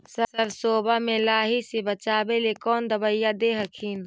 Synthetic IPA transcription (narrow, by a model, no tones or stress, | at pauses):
səsəɾsoːbamẽlaːɦisebət͡ʃaːbelekɔːnd̪əbəjad̪eɦəkʰin